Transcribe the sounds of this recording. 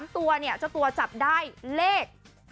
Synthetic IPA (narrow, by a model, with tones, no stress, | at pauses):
mt̪u˧ɐni˥˩ɐt͡ɕa˨˩t̪u˧ɐt͡ɕa˨˩p̚daː˥˩jleː˥˩k̚